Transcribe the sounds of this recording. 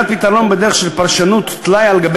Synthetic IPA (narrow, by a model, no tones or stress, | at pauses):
t̪̚pit̪aʁo̞nbed̪eʁeχʃelpaʁʃanut̪ːlajalɡab